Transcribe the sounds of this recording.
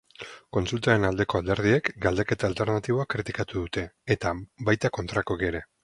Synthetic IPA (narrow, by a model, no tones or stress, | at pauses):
ko̞nsult̪aenald̪e̞ko̞ald̪e̞ɾð̞ie̞kɡald̪eke̞t̪aːlt̪e̞ɾnat̪iβ̞o̞akɾit̪ikat̪uðut̪e̞ːt̪abajt̪ako̞nt̪ɾakokeɾe̞